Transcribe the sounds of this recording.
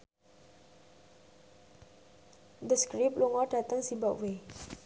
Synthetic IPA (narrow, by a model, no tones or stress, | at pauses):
d̪əskɹip̚luŋɔdat̪ə̃ŋsibaʔwe